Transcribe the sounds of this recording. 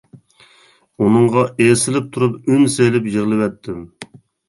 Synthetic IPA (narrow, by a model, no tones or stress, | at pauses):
unɨŋʁɑʔesɪlɪp̚t̪ʰuɾupynselɪpjɪʁlˠɪvɛt̪ʰːɪm